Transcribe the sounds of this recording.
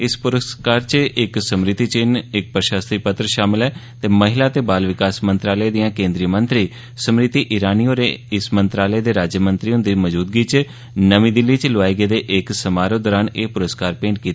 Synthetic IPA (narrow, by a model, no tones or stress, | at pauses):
ɪspʊɾəskaːɾt͡ʃəɪksəmɾɪt̪ːiːt͡ʃɪnɪk̚pɾəʃaːst̪iːpət̪ɾəʃaːmɪlɦɛːt̪eːməɦɪlaːt̪eːbaːlʋɪkaːsmə̃nt̪ɾaːləeːd̪ɪjãːkẽːnd̪ɾijəmə̃nt̪ɾiː | səmɾɪt̪ːiːʔɪɾaːniːoːɾeːɪsmənt̪ɾaːləeːd̪eːɾaːd͡ʒjəmə̃nt̪ɾiːʊ̃nd̪iːməd͡ʒuːd̪̚ɡiːt͡ʃ | nəʋĩːd̪ɪlːiːt͡ʃloʋaːiɡeːd̪eːʔɪksəmaːɾod̪ɔːɾaːneːpʊɾəskaːɾpẽːɳʈkiːt̪aː